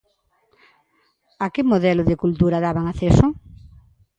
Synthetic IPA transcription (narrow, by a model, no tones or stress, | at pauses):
akɪmoðɛlʊðɪkult̪uɾaðaβaŋaθesʊ